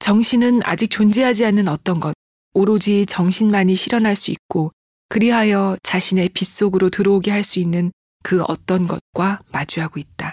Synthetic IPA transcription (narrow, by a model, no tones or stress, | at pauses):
t͡ɕʌŋɕʰinɯna̰d͡ʑik̚t͡ɕond͡ʑeɦad͡ʑianːɯnʌt͈ʌnɡʌd̚ | oɾod͡ʑit͡ɕʌŋɕʰinmaɲiɕʰiɾʌnɦaɭs͈uik̚k͈o | kɯɾiɦajʌt͡ɕaɕʰine̞pis͈oɡɯɾotɯɾʌoɡeɦaɭs͈uinːɯn | kɯʌ̰t͈ʌnɡʌt̚k͈wamad͡ʑuɦaɡoit̚t͈a